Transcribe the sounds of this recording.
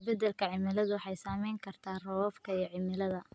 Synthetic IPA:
bɛd̪ɛlkʰɐʕɪmɪlɐðʊħɑjsaːmɛjŋkʰɐrt̪ʰaːrɔwɔfkʰɐijɞʕɪmɪlɐðɐ

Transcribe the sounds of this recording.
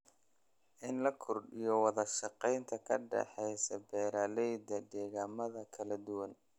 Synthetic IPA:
ʔɪnlɐkʰʊrɖɪjɔwɑðɐʃɑqɛjnt̪ʰɐkʰɐ̰ɖɛ̰ħɛjsɐbɛːɾaːlɛjd̪ɐɖ̪ɛːɣaːmɐðɐkʰɐlɐd̪ʊwɐn

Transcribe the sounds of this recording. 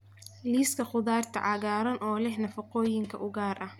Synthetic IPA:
liːskʰɐχʊðaːrt̪ʰɐ̰ʕɑɣaːɾɐnʔɔːlɛhnɐfɐqɔːjɪŋkʰɐ̰ʔʊɣaːrʔɐh

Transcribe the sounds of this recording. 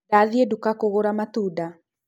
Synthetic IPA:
aðiedukakoɣoɾamatuda

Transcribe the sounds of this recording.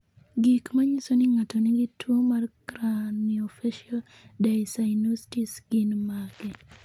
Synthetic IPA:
ɡikmaɲisonɪŋatɔnɪɡitwomarkɾaniofɛʃiɔ | dajsajnostisɡ̥ɪnmaɡɛ

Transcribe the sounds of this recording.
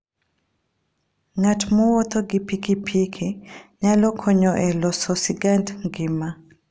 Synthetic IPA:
ŋatmɔwɔt̪oɡɪpikipʰikʰiɲalɔkʰɔɲɔʔɛlɔsɔsiɡantŋɡɪma

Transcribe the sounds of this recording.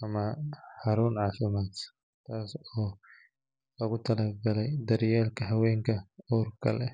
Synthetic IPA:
ʔɐmɐħɑɾuːnʕaːfɪmaːt̪ | t̪ʰaːsɔː | lɐɣʊt̪ʰɐlɐɡɐlɛjd̪ɐɾjɛːlkʰɐɦɐwɛːŋkʰɐɔːrkʰɐ̰lɛ

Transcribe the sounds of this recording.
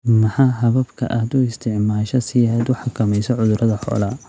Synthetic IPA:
mɐħɑːɦɐβɐbkʰɐ̰ʔaːd̪ʊɪst̪ʰɪʕmaːʃɐsɪjɐd̪ʊħɑkʰɐmɛjsɔʕʊðʊɾɐðɐħɔ̰ːlɐ

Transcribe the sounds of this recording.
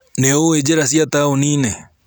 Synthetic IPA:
neoed͡ʒeɾasjat̪aonĩːne

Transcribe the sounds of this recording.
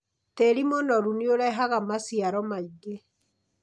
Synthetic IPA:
tɛɾimɔnɔɾunioɾɛɦaɣamasiaɾɔmaiɡe

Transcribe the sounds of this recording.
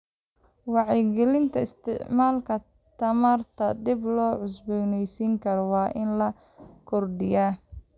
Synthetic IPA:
wɑʕɛjɡɛlɪnt̪ʰɐɪst̪ʰɪ̰ʕmaːlkʰɐ | t̪ʰɐmɐrt̪ʰɐd̪ɪblɔːʕʊs̬bɔːnɛjsiːŋkʰɐɾɔwɑːʔɪnlɐ | kʰɔrɖɪjaː

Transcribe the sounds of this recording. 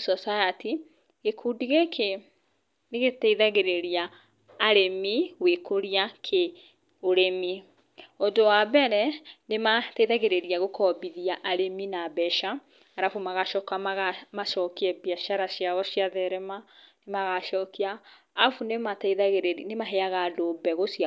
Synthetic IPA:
sɔsajati | ɣekʰuːdiɣekʰe | neɣetaiðaɣeɾeɾiaː | ɾemiwekʰoɾiakʰe | oɾemi | ondowabɛɾɛnemataiðaɣeɾeɾiaɣokʰɔbiðiaʔaɾeminabɛʃa | aɾafumaɣaʃɔkaaɣamaʃɔkiɛbjaʃaɾaʃiaɣɔʃjaðɛɾɛmanemaɣaʃɔːkiaː | funematðaɣɾnemaɦeaɣadoːbɛɣosia

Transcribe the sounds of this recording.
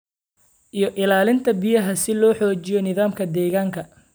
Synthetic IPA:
ʔijɔʔɪlaːlɪnt̪ʰɐbɪjɐɦɐsɪlɔːħɔːt͡ʃɪjɔnɪðaːmkʰɐd̪ɛːɣaːŋkʰɐ

